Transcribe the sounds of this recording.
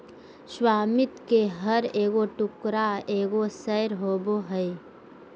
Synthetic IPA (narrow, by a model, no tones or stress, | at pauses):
swaːmɪt̪keɦəɾeːɡoʈʊkɾaeːɡosəjɾɦoːboɦəi